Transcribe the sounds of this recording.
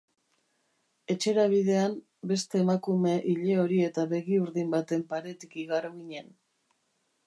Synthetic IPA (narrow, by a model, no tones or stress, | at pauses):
e̞t͡ʃe̞ɾaβ̞iðe̞am | be̞st̪e̞ːmakume̞ʔiʎe̞o̞ɾie̞t̪aβe̞ɣiuɾðimbat̪e̞mpaɾe̞t̪ikiɣaroɣiɲe̞n